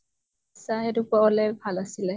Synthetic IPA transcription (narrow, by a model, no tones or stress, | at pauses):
saɦɛdukaɔlɛbʱalasilɛ